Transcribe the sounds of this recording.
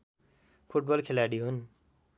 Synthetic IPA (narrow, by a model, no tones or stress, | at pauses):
pʰuʈ̚bʌlkʰelaɽiɦun